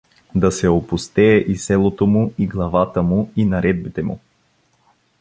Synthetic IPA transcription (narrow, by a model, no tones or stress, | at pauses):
d̪ɐsɛopust̪ɛːʔisɛlˠot̪omuiɡlˠɐvat̪əmuinɐɾɛd̪̚bit̪ɛmṵ